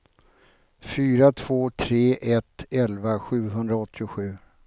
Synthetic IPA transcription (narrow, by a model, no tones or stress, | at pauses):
fyːɾat̪ʰv̥oːt̪ʰɾeːʔɛt̪ɛlvaɧʉ̟ːɦɵnd̪ɾaɔt̪ːɪʊɧʉ̟ː